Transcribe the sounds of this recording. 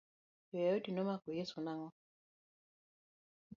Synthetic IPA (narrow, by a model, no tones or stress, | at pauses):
jɔjaudinɔmakujesunaŋɔ